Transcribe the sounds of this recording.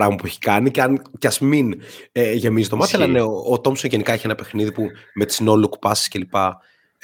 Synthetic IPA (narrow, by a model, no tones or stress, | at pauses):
ɾɐɣmɐpueçi̥kɐnicɐncɐzmineʝe̞mizit̪o̞mɐselɐneoːt̪o̞msoʝe̞nikɐeçienɐpe̞xniðipume̞t̪i̥zno̞luku̥pɐsi̥sce̞lipɐ